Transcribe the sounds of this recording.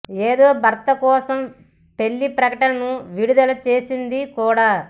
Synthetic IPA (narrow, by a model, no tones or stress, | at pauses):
eːd̪o̞ːbʱɐɾt̪ɐkɔːsɐm | pe̞ɭːipɾɐkɐʈɐnɐnuʋiɽud̪ɐlɐt͡ʃe̞ːsind̪ikuːɽaː